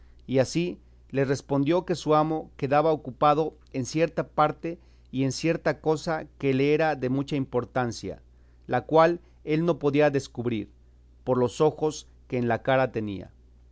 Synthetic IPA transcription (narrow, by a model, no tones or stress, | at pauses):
iasi | le̞re̞spo̞nd̪jo̞ke̞suamo̞ke̞ðaβaokupað̞o̞ | e̞nsje̞ɾt̪apaɾt̪e̞ | ie̞nsje̞ɾt̪ako̞sake̞leeɾaðe̞mut͡ʃaimpo̞ɾt̪ansja̰ | lakwal | e̞lno̞po̞ðiaðe̞skuβɾiɾ | po̞ɾlo̞so̞xo̞s | ke̞ːnlakaɾat̪e̞nḭa̰